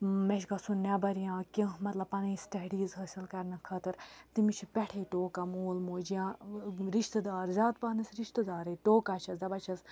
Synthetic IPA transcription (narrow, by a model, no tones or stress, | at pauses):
mɛʃɡɐsunnːɐbɐɾijãːkʲemɐt̪lɐbpɐnĩːsʈɐɖiːzɦɐːsilkɐɾnɨkʰɐt̪ɨɾt̪imit͡ʃʰipʲɛʈʰeːʈoːkamoːlmoːd͡ʒijãːɾiʃt̪əd̪aːɾzʲaːt̪pɐːnɐsɾiʃt̪əd̪aːɾeʈoːkat͡ʃʰɐsd̪ɐbɐt͡ʃʰɐz